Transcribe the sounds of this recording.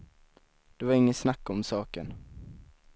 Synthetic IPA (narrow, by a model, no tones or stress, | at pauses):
d̪̥ɵvaɾɪŋːənsnakːɔmsɑːkən